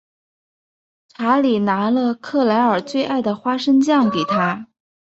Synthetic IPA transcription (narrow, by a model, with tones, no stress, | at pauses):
ʈ͡ʂʰa˧˥li˨˩na˧˥lə˧kʰɤ˥˩la˧˥ɪə˞˨˩t͡swe˥˧ɪʔa˥˩ɪd̪ə˩xwa˥ʂə˥ŋt͡ɕjɑ˥˩ŋke˨˩ɪt̪ʰa˥